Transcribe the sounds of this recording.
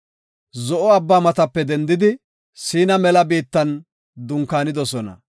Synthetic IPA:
zɔʔɔɐbːaːmɐt̪ɐpːɛd̪ɛnd̪ɪd̪ɪ | siːnɐmɛlɐbiːt̪ːɐn | d̪ʊŋkaːnɪd̪ɔsɔnɐ̰

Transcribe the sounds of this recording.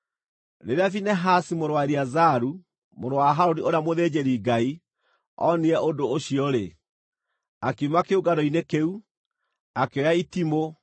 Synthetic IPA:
neɾeafinɛɦasimoɾowaeɾiazaɾu | moɾowaɦaɾoɾioɾamoðeːd͡ʑeɾiɡai | ɔ̰niɛʔodoːɕiɔɾe | akeumakeoɡaɾɔinekeu | akeɔjaitimo

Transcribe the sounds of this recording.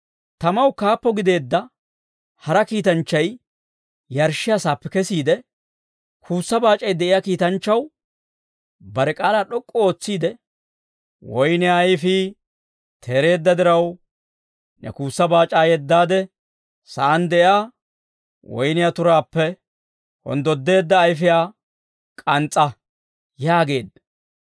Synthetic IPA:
t̪ɐmɐwkaːpːɔɡɪd̪e̞ːd̪ːɐ | hɐɾɐkiːt̪ɐnt͡ʃːɐj | jɐɾʃɪjasaːpːɛkɛsiːd̪ɛ | kʰuːsːɐbaːt͡ʃʼːɐjd̪ɛʔɪjaːkiːt̪ɐnt͡ʃːɐw | bɐɾɛkʼaːlaːɗɔkʼːɔo̞ːt͡sːiːd̪ɛ | wɔjnɪjajfiː | t̪ʰeːɾe̞ːd̪ːɐd̪ɪɾɐw | nʔɛ̰kuːsːɐbaːt͡ʃʼːaːjɛd̪ːaːd̪ɛ | sɐʔɐnd̪ɛjaː | wɔ̰jnɪjaːt̪ʊɾaːpːɛ | hɔ̰nd̪ɔd̪ːe̞ːd̪ːɐːjfɪjaː | kʼɐnt͡sʼːɐ | jaːɡe̞ːd̪ːɐ̥

